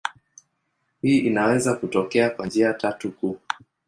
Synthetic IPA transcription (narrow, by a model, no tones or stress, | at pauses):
hiːʔinawɛzakutɔkɛakwand͡ʒiatatukuː